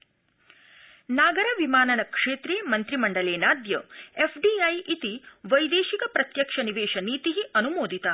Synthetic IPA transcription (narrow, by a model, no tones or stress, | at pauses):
naːɡɐɾɐʋimaːnɐnɐkʂeːt̪ɾeːmɐnt̪ɾimɐɳɖɐleːnaːd̪jɐefʰɖiɐjʔit̪iʋɐjd̪eːʃikɐpɾɐt̪jɐkʂɐniʋeːʃɐniːt̪iɦiʔɐnumoːd̪ʱit̪a